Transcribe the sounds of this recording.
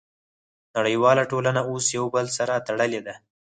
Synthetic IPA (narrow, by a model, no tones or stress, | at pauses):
naɽəjwɑlaʈolanaosjawbəlsaɾat̪aɽəled̪a